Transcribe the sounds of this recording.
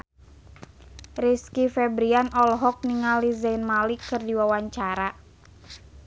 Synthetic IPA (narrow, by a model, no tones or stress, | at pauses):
riskifɛbɾianɔlɦɔk̚niŋalizanmalikɨrdiwawaɲt͡ʃaɾa